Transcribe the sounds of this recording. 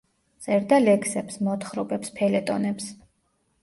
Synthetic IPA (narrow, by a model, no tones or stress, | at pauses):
t̪sʼɛɾd̪alɛkʰsɛpsmɔt̪χɾɔpʼɛpspʰɛlɛt̪ʼɔ̰nɛps